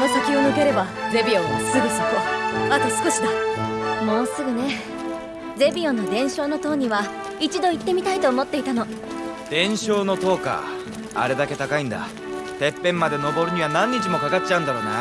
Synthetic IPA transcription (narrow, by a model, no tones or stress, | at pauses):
osakʲionɯke̞ɾe̞baze̞bʲiõβasɨɡɯ̟soko̞mat̪asɨ̥ko̞ɕid̪amo̞ːsɨɡɯ̟ne̞ | d͡ze̞bʲio̞nːod̪ẽ̞ɰ̃ɕo̞ːno̞t̪o̞ːɲ̟iβa | it͡ɕid̪o̞it̪ːe̞mʲit̪ait̪o̞ːmo̞t̪ːe̞it̪ano̞ | d̪̥ẽ̞ɰ̃ɕo̞ːno̞t̪o̞ːka̰ | a̰ɾe̞d̪ake̞t̪akaĩnd̪a̰ | t̪e̞pːẽ̞mːad̪e̞no̞bo̞ɾɯ̟ɲ̟iβanãɲ̟ːit͡ɕimo̞kakat͡ɕaɯ̟̃nd̪aɾo̞ːna̰